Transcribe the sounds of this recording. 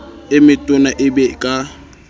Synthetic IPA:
ɪmɪtʼʊnaʔɪbɛkʼa

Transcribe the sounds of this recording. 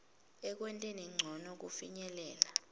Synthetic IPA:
ɛk̬wɛntʼɛniŋ͡ǀʱɔnɔk̬ufiɲɛlɛːla

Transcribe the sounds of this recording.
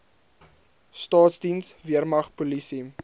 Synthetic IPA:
stɑːtsdinsviərmɐχpulisi

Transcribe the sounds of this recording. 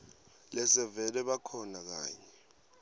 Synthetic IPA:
lɛsɛvɛlɛɓakʰɔnak̬a̰ːɲɛ

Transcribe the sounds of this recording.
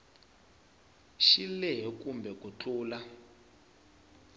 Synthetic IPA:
ʃilɛɦɛkumbɛkut͡ɬʰʼuːla

